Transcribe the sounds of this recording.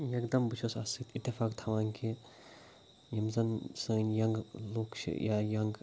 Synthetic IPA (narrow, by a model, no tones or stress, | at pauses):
jɐkd̪ɐmbut͡ʃʰosasit̪it̪ːifaːkt̪ʰɐʋaːnkʰi | jɐmzɐnsɐnjɐŋɡloːkt͡ʃʰḭjajɐŋɡ